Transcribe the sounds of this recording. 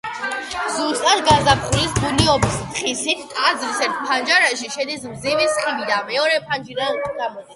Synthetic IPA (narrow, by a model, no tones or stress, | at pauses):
zust̪ʼat̪ɡazapχulisbuniɔbisχisit̪ʰt̪ʼad̪zɾisɛɾt̪̚ʰpʰand͡ʒaɾaʃiʃɛd̪ismzɛvɛsχivid̪amɛɔɾɛpʰand͡ʒiɾand̪amɔɛ